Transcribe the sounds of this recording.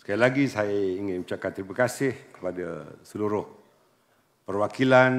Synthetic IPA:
səkailaɡisajaiŋɪnmut͡ʃakant̪ɾimakasɪhkə̥pada̰səluɾʊh | pərwakilan

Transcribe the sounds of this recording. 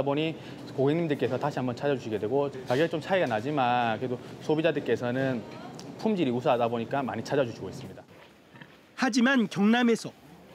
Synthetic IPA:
boɲi | koɡeŋɲimdɯɭk͈e̞sʰʌtaɕʰiɦambʌnt͡ɕʰad͡ʑad͡ʑuɕʰiɡe̞dwe̞ɡot͡ɕaɡiat͡ɕomt͡ɕʰaiɡanad͡ʑimankɯɾedosʰobid͡ʑadɯɭk͈e̞sʰʌnɯnpʰumd͡ʑiɾiusʰaɦadaboɲik͈ama̰ɲit͡ɕʰad͡ʑad͡ʑuɕʰiɡois͈ɯmɲida | had͡ʑimankjʌŋnamesʰʌ

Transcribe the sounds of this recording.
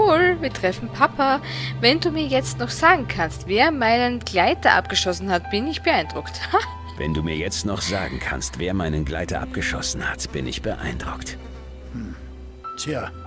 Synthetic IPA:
voːlviːɐtʁ̥ɛfn̩pʰapʰavɛnduːmiːɐjɛt͡stnɔχz̥aːɡŋ̩kʰanstv̥eːɐmaɪnənɡ̥laɪtɐʔa̰p̚ɡ̥əʃɔsn̩hatb̥ɪnɪçb̥əaɪnd̥ʁʊktha | vɛ̰nduːmiːɐjɛt͡stnɔχz̥a̰ːɡŋ̩kʰa̰nstv̥eːɐmaɪnənɡla̰ɪtɐ̰ʔap̚ɡ̥əʃɔ̰sn̩hatb̥ɪnɪ̰çb̥əʔa̰ɪnd̥ʁʊkt | mm̩ | tʰja

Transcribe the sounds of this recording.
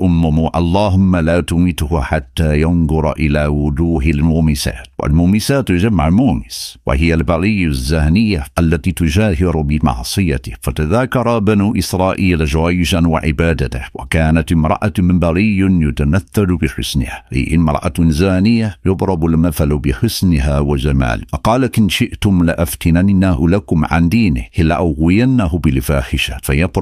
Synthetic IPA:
ʔʊmːʊmʔɑ̰lˤːɑːɦʊmːalaːt̪ʊmit̪hʊħat̪ːajɑnd̪ʊɾˤʔɪlaːwʊd̪uːɦɪlmʊmisa̰ːt̪wa̰lmuːmisaːt̪ːʒamːaʕmuːmɪswɪ̰ɦɪjːalbɑɣijːzːahnɪjːaʔalːæt̪it̪ʊʒaːhɪɾʊbɪmɑ̰ʕsˤɨjat̪ɪfat̪aðaːkɑɾˤɑbɪnuːʔɪsɾˤɑːʔiːlʒawaːjɪʒanwa̰ʕɪ̰baːd̪at̪wa̰kaːnat̪ɪmɾˤɑ̰ʔat̪mɪmbɑɣijnjʊt̪amaθːalbɪħʊsnɪ̰haʔḭʔɪ̰mɾˤɑ̰ʔa̰t̪zaːnɪjːajʊbɾˤɑbʊlmafalubɪħʊsnɪɦawaʒama̰ːlqɑːlakɪnʃɪʔt̪ʊmlɪʔaft̪ɪnannːahʊlakʊmʕa̰nd̪iːnɪ̰hʔɪlːaʔaɣɪjanːaɦʊbɪlfaːħɪʃafajɑbɾˤ

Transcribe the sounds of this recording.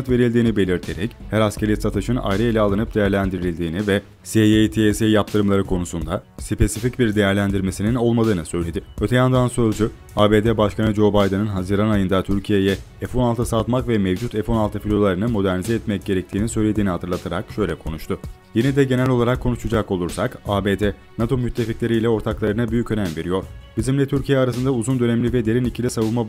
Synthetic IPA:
at̪ve̞ɾilʲd̪iːnibe̞lʲiɾt̪ʰe̞ɾɛchæɾascʰeɾisat̪ʰɯʃɯna̰jɾɯilʲɛalˠɯnɯp̚d̪ejæɾlʲænd̪iɾilʲd̪iːnivɛ | seet̪ʰisejap̚t̪ʰɯɾɯmlˠaɾɯkʰo̞nusund̪asipʰe̞sificbiɾd̪ejæɾlʲænd̪iɾme̞sinino̞lˠmad̪ɯːnɯsø̞jlʲe̞d̪ɪø̞t̪ʰejand̪ansø̞zd͡ʒy | aːbe̞ːd̪eːbaʃkʰanɯd͡ʒo̞bajd̪ɯnɯnɦaziɾanajɯnd̪at̪ʰyɾcʰije̞jɛ | ɛfo̞nalˠt̪ʰasat̪makvɛmɛvd͡ʒut̪ɛfo̞nalˠt̪ʰɯfilʲolˠaɾɯnɯmo̞d̪æɾnizɛːt̪mɛc̚ɟ̥e̞ɾɛc̚t̪ʰiːnisø̞jlʲe̞d̪iːnihat̪ʰɯɾlˠat̪ʰaɾa̰kʃø̞jlʲɛkʰo̞nuʃt̪ʰʊ | jenɛd̪ɛɟe̞nælʲo̞lˠaɾakʰːo̞nuʃud͡ʒako̞lˠuɾsakaːbe̞ːd̪ɛ | nat̪ʰo̞myt̪ʰːe̞ficlʲe̞ɾiːlʲɛo̞ɾt̪ʰaklˠaɾɯnabyjycø̞næmve̞ɾijo̞ɾ̥bizimlʲɛt̪ʰyɾcʰijɛaɾasɯnd̪auzund̪ø̞nɛmlʲivɛd̪e̞ɾinicʰilʲɛsavɯnma

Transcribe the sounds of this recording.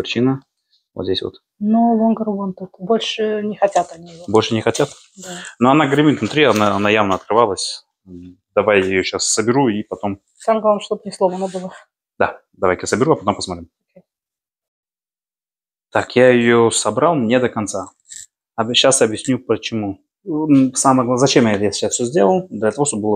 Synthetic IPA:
pɾʲɪt͡ɕinə | vo̰t̪zʲdʲesʲvo̰t̪ | nuvonɡəɾʊɡont̪ut̪bolʲʂɨnʲɪxɐtʲat̪ɐnʲiɪvobolʲʂɨnʲɪxɐtʲat̪ | danoɐnaɡɾʲɪmʲit̪vnʊt̪ɾʲiɐnaɐnajavnəɐt̪̚kɾɨvalˠəsʲ | d̪ɐvajɪjoɕasːəbʲɪɾuipɐt̪o̞m | samɡlˠavmʂt̪obnʲɪslˠovənəbɨlˠə | d̪a | d̪ɐvajkjasəbʲɪɾuɐpɐt̪o̞mpəsmɐt̪ɾʲimokʲej | t̪akjajɪjosɐbɾalˠmnʲed̪əkɐnt̪sa | ɐbɕasɐbjɪsʲnʲupət͡ɕɪmu | saməjɡ̪ˠzɐt͡ɕemjɛt̪jaɕasfʲsʲɵzʲdʲelˠəlˠd̪lʲɐt̪ɐvoʂt̪obəbɨlˠ

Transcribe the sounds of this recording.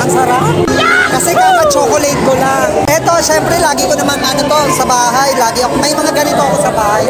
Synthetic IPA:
ɐŋsɐɾaʔkɐsɛkaɐt͡ʃokolɛt̪̚kolaŋʔɛt̪oʃɛːmpɾɛlaːɡikonɐmananʊt̪osɐbaːɦajlaːɡiʔɐkomɐjmɐŋaɡanɪt̪oɐkosɐbaːhaj

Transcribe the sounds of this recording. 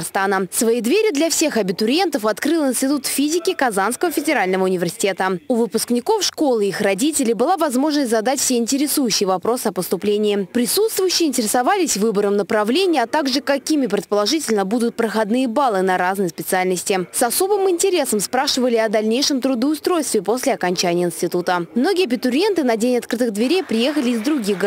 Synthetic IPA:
rst̪anəsvɐid̪vʲeɾʲɪd̪lʲɐfsʲe̞xɐbʲɪt̪ʊɾʲe̞nt̪əfɐt̪kɾɨlˠɪnsʲtʲɪt̪̬ut̪fʲizʲɪkʲɪkɐzanskəvəfʲɪdʲɪɾalʲnəvəʊnʲɪvʲɪrsʲɪ̥tʲe̞t̪əʊvɨpʊsknʲɪko̞fʂko̞lˠɨixrɐdʲitʲɪlʲɪbɨlˠavɐzmo̞ʐnəsʲtʲzɐd̪atʲfsʲeɪnʲtʲɪɾʲɪsujʉɕːɪjvɐpɾo̞sɨɐpəst̪ʊplʲenʲɪːpɾʲɪsut̪st̪vʊjʏɕːɪjɪnʲtʲɪɾʲɪsɐvalʲɪsʲvɨbəɾəmnəpɾɐvlʲenʲɪjɐt̪aɡʐɨkɐkʲimʲɪpɾʲɪt̪̚pəlˠɐʐɨtʲɪlʲnəbud̪ʊt̪̚pɾəxɐd̪nɨjəbalˠɨnɐɾaznɨjspʲɪt̪sɨalʲnəsʲtʲɪsɐso̞bɨmɪnʲtʲɪɾʲe̞səmspɾaʂɨvəlʲɪɐd̪ɐlʲnʲejʂɨmt̪ɾʊd̪əʊst̪ɾo̞jst̪vʲɪpo̞sʲlʲɪɐkɐnʲt͡ɕænʲɪjəɪnsʲtʲɪt̪ut̪əmno̞ɡʲɪjɐbʲɪt̪ʊɾʲe̞nt̪ɨnɐdʲenʲɐt̪̚kɾɨt̪ɨɣd̪vʲɪɾʲejpɾʲɪje̞xəlʲɪːzd̪ɾʊɡʲixɡ

